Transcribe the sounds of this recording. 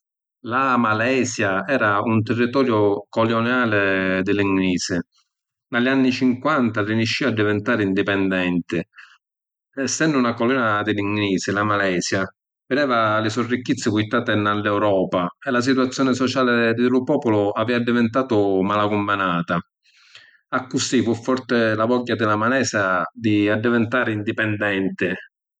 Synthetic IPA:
lamalɛːsjaɛːɾaunt̪ɪrːit̪ɔːɾjʊkɔljɔnaːlɪd̪ɪliŋɡniːsɪ | nalːanːit͡ʃiŋkwant̪ariniʃːiːad̪ːivɛnt̪aːɾɪind̪ipɛnd̪ɛnt̪ɪ | sɛnd̪ʊunakɔlɔnad̪ɪliŋɡniːsɪlamalɛːsja | vɪd̪ɛːvalɪsɔrːikːit̪sːɪkujt̪ːaːt̪ɪnalːɛwɾɔːpaɛlas̬it̪uat̪sːjɔːnɪsɔt͡ʃaːlɪd̪ɪlʊpɔːpʊlʊavɛːvad̪ːivɛnt̪aːt̪ʊmalakumːanaːt̪a | akːusifufːɔrt̪ɪlavɔɟːad̪ɪlamalɛːsad̪iad̪ːivɛnt̪aːɾɪind̪ipɛnd̪ɛnt̪ɪ

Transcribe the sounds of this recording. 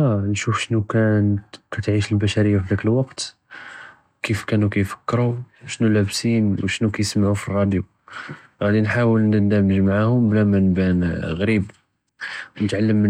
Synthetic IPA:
ænʃufʃnukænkæt̪ʕiʃəlbæʃæɾəjːafid̪ækəlwɑqt̪ | kifkænukæjfə̥kːɾuʃnulæbsinwʃnukæjsmaʕufirˤːɑd̪ju | ɣæd̪inħawəlnənd̪æməʒmaʕahʊmblæmænbænɣɾib | wnət̪ʕalːəmːə

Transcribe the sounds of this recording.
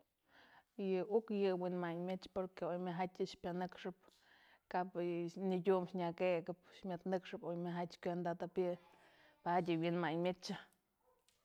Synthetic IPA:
jɨukjɨwinmaɲmʲet͡ʃpoɾkeojmʲɨɦatʲɨʃpʲanɨkʂɨp̚ | kapniɡʲumʃɲʲakeɡɨp̚ʃmʲɨt̪nɨkʂɨpojmɨɦatʲkʷend̪at̪apʲɨ | paatʲɨwinmaɲmʲet͡ʃa

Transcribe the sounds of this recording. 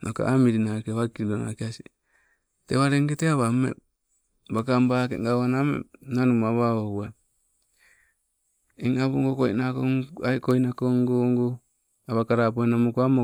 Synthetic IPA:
nʔoka̰ʔamiɾinakeβakilona̰keasi | teβaɾeŋɡeteaβamḛ | bakambakeŋɡawanamḛnanumaβaoua | iŋaβuŋɡokoinakoakoinakoŋɡoŋɡo | aβakaɾap̬oinamokoamo

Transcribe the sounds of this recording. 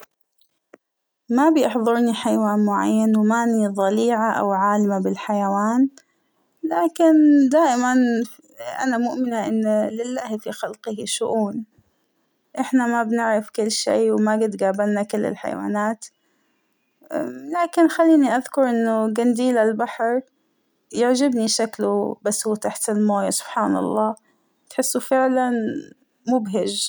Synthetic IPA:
mabjɪħðˤʊɾniħajawaːnmʊʕa̰jːanwmaːniðˤɑliːʕaʔa̰wʕaːlɪmabɪlħajawaːn | laːkɪnd̪aːʔɪman | ʔa̰namʊʔmɪnaʔɪnːlɪlːaːhfixalqɪhʃʊʔuːn | ʔɪħnamabnɪʕɾɪfkɪlːʃḭːwmaɡɪd̪ɡaːbalnakɪlːɪ̰lħa̰j̰wa̰ːnaːt̪ | laːkɪnxalːiːniʔaðkʊɾˤʔɪnːʊɡand̪iːlalbaħɾˤ | jɪʕd͡ʒɪbniʃaklubasuːt̪aħt̪ɪlmoːjasʊ̥b̥ħaːnɑ̰lˤːɑː | t̪ħɪsːʊfɪʕlan | mʊbɦɪʒ

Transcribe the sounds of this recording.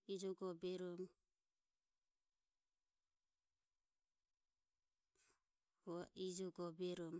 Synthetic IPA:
id͡ʒɔɡɔbɛɾɔm | ɔaid͡ʒɔɡɔbɛɾɔm

